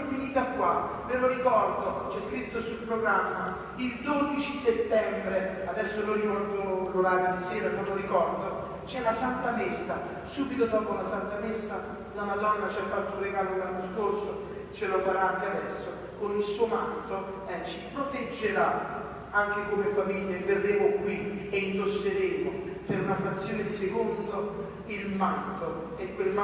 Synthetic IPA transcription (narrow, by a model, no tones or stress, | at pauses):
finiːt̪akːwa | veloɾikɔrd̪ot͡ʃɛskɾit̪ːosulpɾoɡɾamːa | ild̪od̪it͡ʃiset̪ːɛmbɾe | ad̪ɛsːoloikɔrd̪oloɾaːɾjod̪elseːɾanoloɾikɔrd̪o | t͡ʃɛlasant̪amesːa | suːbit̪od̪ɔːpolasant̪amesːa | lamad̪ɔnːat͡ʃiafːat̪ːounreɡaːloelːanːoskorso | t͡ʃelofaɾaaŋk̟ead̪ɛsːo | konilsuːomant̪o | ɛt͡ʃːi̥pɾot̪ed͡ʒːeɾa | aŋk̟ekomefamiʎːavːerːeːmokwieind̪osːeɾeːmopeɾunafɾat̪sːjoːned̪isekond̪o | ilmant̪o | ɛkːwel